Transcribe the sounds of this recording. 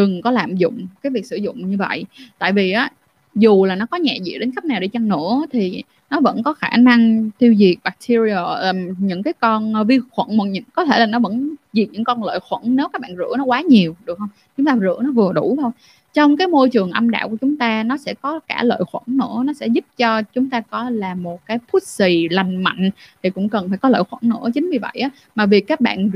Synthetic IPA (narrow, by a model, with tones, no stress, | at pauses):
ɗɨ˨˩ŋkɔ˨˦laː˨˩mzʊ̰˧˨ŋ͡mkaː˨˦jvi˨˩k̚sɨ˧˩zʊ̰˧˨ŋ͡mɲɨ˧və̰˧˨jt̪a̰ː˧˨jvi˨˩ʔaː˨˦ | zu˨˩laː˨˩nɔ˨˦kɔ˨˦ɲɛ̰˧˨zḭ˧˨ɗe˨˦nkxa˦˥p̚naː˨˩wɗe˧˩t͡ɕa˧ŋnɨ̰˧˥ət̪ʰi˨˩ | nɔ˨˦və̰˧˥nkɔ˨˦xaː˧˩na˧ŋt̪ʰi˧wzi˨˩ək̚ɓaː˨˩k̚t̪ʰi˧zi˧ɔ˧˩˨ɲɨ̰˧˥ŋkaː˨˦jkɔ˧nː˧vi˧xwə̰˧˩nmo˨˩ɲɨ̰˧˥ŋkɔ˨˦t̪ʰe˧˩laː˨˩nɔ˨˦və̰˧˥nzi˨˩t̚ɲɨ̰˧˥ŋkɔ˧nlə̰ː˧˨jxwə̰˧˩nne˨˦wkaː˦˥k̚ɓaː˧˨nzɨ̰˧˥ənɔ˨˦kwaː˨˦ɲi˨˩əwɗɨ˨˩ək̚hə˧wŋ͡mt͡ɕʊ˨˦ŋ͡mt̪aː˧zɨ̰˧˥ənɔ˨˦vɨ˨˩əɗu˧˩t̪ʰo˧j | t͡ɕɔ˧wŋ͡mkaː˨˦jmo˧jt͡ɕɨ˨˩əŋʔə˧mɗa̰ː˧˨wku˧˩ət͡ɕʊ˨˦ŋ͡mt̪aː˧nɔ˨˦sɛ̰˧˥kɔ˨˦kaː˧˩lə̰ː˧˨jxwə̰˧˩nnɨ̰˧˥ənɔ˨˦sɛ̰˧˥zʊ˦˥p̚t͡ɕɔ˧t͡ɕʊ˨˦ŋ͡mt̪aː˧kɔ˨˦laː˨˩mo˨˩t̚kaː˨˦jpʰu˦˥t̚si˨˩la˨˩jŋ̟ma̰˧˨jŋ̟t̪ʰi˨˩kʊ̰˧˥ŋ͡mkə˨˩nfaː˧˩jkɔ˨˦lə̰ː˧˨jxwə̰˧˩nnɨ̰˧˥ət͡ɕï˨˦ŋ̟vi˨˩və̰˧˨jʔaː˨˦ | maː˨˩vi˨˩kaː˦˥k̚ɓa̰ː˧˨n